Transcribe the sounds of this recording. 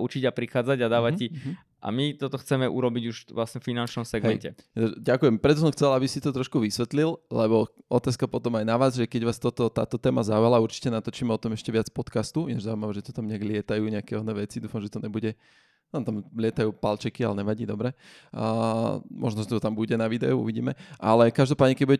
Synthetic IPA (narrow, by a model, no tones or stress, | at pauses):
ut͡ʃiɟapɾixaːd͡zaɟad̪aːʋaci | ʔa̰mit̪ɔt̪ɔxt͡sɛmɛʔṵɾɔbiɟuʃʋlasɲɛffinant͡ʃnɔmsɛɡɛɛcɛɟakujɛmpɾɛt̪ɔs̬ɔmxt͡sɛlabisit̪ɔt̪ɾɔʃkuʋisʋɛt̪lillɛβɔʔɔt̪aːskapɔt̪ɔmajnaʋaːzʒɛkɛɟʋaːst̪ɔt̪ɔt̪a̰ːt̪ɔt̪ɛːmazaujalauɾt͡ʃi̥cɛnat̪ɔt͡ʃiːmɛɔt̪ɔmɛʃcɛʋɪat͡spɔt̪kast̪ujɛʒzauimaʋɛʒɛt̪ɔ̥t̪amɲɛaɡlɪɛt̪ajuːɲɛakɛɔnɛʋɛt͡sid̪uːfamʒɛt̪ɔɲɛbuɟɛ | naːmt̪amlɪɛt̪ajuːpalt͡ʃɛkialɛɲɛʋaɟiːd̪ɔbɾɛ | mɔ̰ʒnɔʒɛt̪ɔt̪ambuɟɛnaʋid̪ɛ̰uṵʋiɟḭːmɛʔa̰lɛkaʒd̪ɔpaːd̪ɲɛkɛɟbuɟɛ